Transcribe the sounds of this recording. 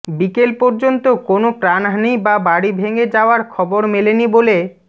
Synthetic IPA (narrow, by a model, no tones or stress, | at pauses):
bikelpɔɾd͡ʑont̪okonopɾanɦanibabaɽibʱeŋed͡ʑaoaɾkʰɔboɾmelenibole